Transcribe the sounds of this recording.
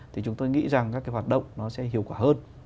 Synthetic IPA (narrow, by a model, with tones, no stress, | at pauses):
t̪ʰi˨˩t͡ɕʊ˨˦ŋ͡mt̪o˧jŋḭ˧˥za˨˩ŋkaː˦˥kːaː˨˦jwa˨˩t̚ɗə̰˧˨wŋ͡mnɔ˨˦sɛ̰˧˥ɦi˧˨əwkwaː˧˩həː˧n